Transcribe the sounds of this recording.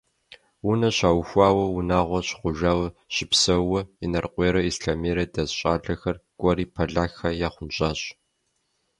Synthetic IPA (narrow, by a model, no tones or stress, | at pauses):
ʊnɐɕaːwxʷɑːwɐwʊnaːʁʷɔɕχʷʊʒaːwɐɕɪpsɐwɔinɐrqʷeːɾɐisɬameːɾɐdɐzɕʼaːɮɐxɐrkʷʼɔɾiːpʰɐɮaːxɐjaːχʷʊnɕʼaːɕʼ